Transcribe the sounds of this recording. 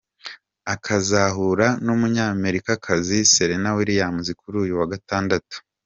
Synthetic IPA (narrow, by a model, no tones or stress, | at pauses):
akʰazaɦuɾanumuɲaːme̞ɾikakʰaziseɾenawiɾijaːmuzikuɾuːjuwaɡataːndatu̥